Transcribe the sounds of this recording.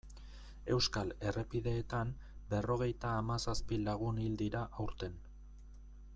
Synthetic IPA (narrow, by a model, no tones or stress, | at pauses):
e̞wskale̞re̞piðe̞ːt̪am | be̞ro̞ɣ̞e̞jt̪aːmasaspilaɣ̞unild̪iɾaʔawɾt̪e̞n